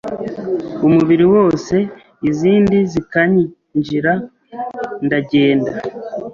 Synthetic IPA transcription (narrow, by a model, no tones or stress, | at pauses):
umuβiɾiwo̞ːse̞ | iziːndizikaɲ | ɲd͡ʒiɾa | ndaɟe̞ːnda